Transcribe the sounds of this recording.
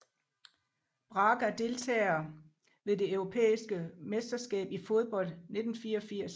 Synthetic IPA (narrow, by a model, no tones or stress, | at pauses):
b̥ʁɑ̈ːɡ̥æɐd̥e̝lt͡sʰɛ̰ːɐ | ʋe̝ðˠd̥e̝œʊʁo̝pʰḛːisɡ̥əmesd̥ɐsɡ̥ɛ̰ːb̥ifo̝ð̞ˠb̥ɒ̽l̰d̥ne̝d̥n̩fiːɐɒ̽fiɐ̰s